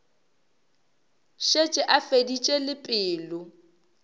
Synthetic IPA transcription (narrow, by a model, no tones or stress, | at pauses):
ʃet͡ʃʼɪʔafedit͡ʃʼelɪpʼɪːlʊ